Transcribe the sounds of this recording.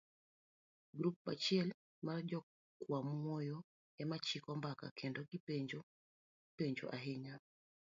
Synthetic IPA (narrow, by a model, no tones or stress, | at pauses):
ɡɾup̚ːa̰t͡ʃɪɛl | mard͡ʒɔ | kwamɔjɔ | ɛmat͡ʃɪkɔmbaka̰kʰendoɡipeɲd͡ʒo | peɲd͡ʒo̰ʔaɦɪɲa